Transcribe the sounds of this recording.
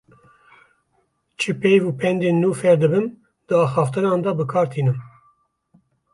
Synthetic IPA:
t͡ʃʰɨpejvuːpʰɛnd̪eːnːuːfɛɾd̪ɨbɨn | d̪̥ɨɑːxɑːft̪ɨnɑːnd̪ɑbɨkʰɑːɾt̪ʰiːnɨm

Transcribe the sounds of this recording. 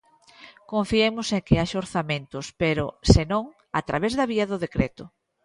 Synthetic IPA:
kõɱfiemʊseŋkɪaʃoɾθamẽnt̪ʊspeɾʊ̰senõŋ | a̰t̪ɾaβezðɐβ̞iɐðʊðekɾet̪ʊ

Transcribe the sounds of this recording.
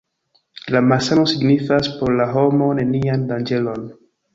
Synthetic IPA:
lamasano̞siɡnifaspo̞ɾlaɦo̞mo̞ne̞niandand͡ʒe̞lo̞n

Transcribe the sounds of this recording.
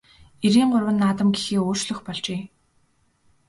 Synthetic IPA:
eɾiːɴɢʊrwə̆nːaːt̪ə̆mɡixeːoːr̥t͡ɕɮɵ̆xpɔɮt͡ɕeː

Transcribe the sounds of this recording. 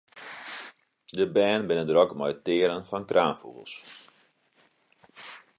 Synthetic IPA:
dəbɛːnbɪnəndɾɔkmɔjtɪːɾənfɔnkraːnfṵɣəlˠs

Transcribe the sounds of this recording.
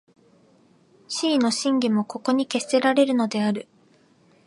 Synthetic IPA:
ɕiːno̞ɕĩŋɡʲimo̞ko̞ko̞ɲ̟ike̞st̪e̞ɾaɾe̞ɾɯ̟no̞d̪e̞aɾɯ̟

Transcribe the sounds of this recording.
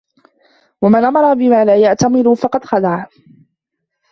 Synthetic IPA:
wamanʔamɑɾˤɑbɪmaːlaːjaʕt̪amɪɾʊfɑqɑd̪xalaʕ

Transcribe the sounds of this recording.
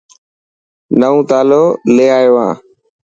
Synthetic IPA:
nəũːt̪aːloːleːaːoʋã̰ː

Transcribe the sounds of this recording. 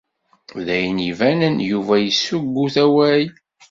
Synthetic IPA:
ðæjənivænənjuvæjəsːuɡːuθæwæj

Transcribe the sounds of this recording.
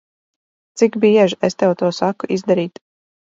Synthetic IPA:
t̪sikbiɛʒest̪ɛwt̪uɔsakuʔizd̪aɾiːt̪

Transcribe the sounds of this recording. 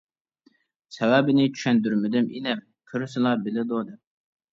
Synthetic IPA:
sɛwæbɪnɪt͡ʃʰy̥ʃɛnd̪yɾmɪd̪ɪmḭnɛm | kʲʰøɾsɪlˠɑbɪlɪd̪od̪ɪm

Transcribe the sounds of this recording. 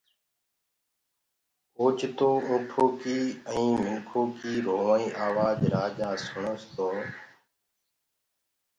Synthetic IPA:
oːt͡ʃt̪oːʔũːʈʰoːkiːə̃ĩːmɪnkʰoːkiːɾoːʋaːĩːʔaːʋaːd͡ʒɾaːd͡ʒaːsʊɳoːst̪oː

